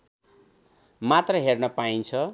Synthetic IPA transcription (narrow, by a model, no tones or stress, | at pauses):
mat̪rʌɦernʌpaint͡sʰʌ